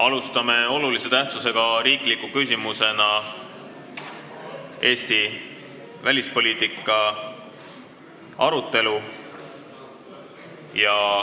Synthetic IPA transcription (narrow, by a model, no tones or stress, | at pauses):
ɑlust̪ɑme̞o̞lulise̞t̪æht̪suse̞ɡ̥ɑɾiːklikːˑukys̬ʲimuse̞nɑ | ʔe̞ːst̪i | vælʲispo̞lʲiːt̪ˑikˑːɑ | ɑɾut̪ːˑe̞lu | jɑ